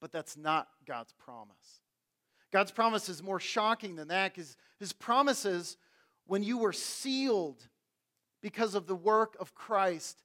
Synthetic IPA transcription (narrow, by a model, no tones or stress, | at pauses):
b̥ʌt̪̚ðætsnət̚ɡ̥ɑ̰dz̥pʰɹ̥ɑ̰mə̰s | ɡ̥ɑdz̥pʰɹ̥ɑməsɨzmɔɹʃɑkɪ̃ŋðɨ̃nðɨt̚kʌz̥ | hɨz̥pʰɹ̥ɑməsɪz | wə̃njɨwə˞silˠd̚ | b̥ɨkʰʌzʌvðəwɜ˞kʌv̥kʰɹ̥aɪst̚